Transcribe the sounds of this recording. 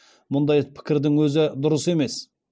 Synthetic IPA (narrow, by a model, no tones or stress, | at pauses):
mʊnd̪ɑjpʰɪ̥kʲɪɾd̪ɪŋwɵzɪd̪ʊɾəse̞me̞s